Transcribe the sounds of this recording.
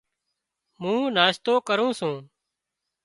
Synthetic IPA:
mũːnaːʃt̪oːkəɾũːsũː

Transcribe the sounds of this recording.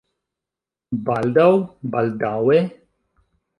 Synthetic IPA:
bald̪awbald̪awe

